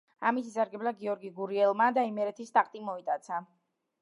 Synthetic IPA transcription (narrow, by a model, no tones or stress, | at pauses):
amitsisaɾɡɛblaɡiɔɾɡiɡuɾiɛlˠmad̪aimɛɾɛt̪ʰist̪ʼaqʼt̪ʼimɔit̪ʼat̪sʰa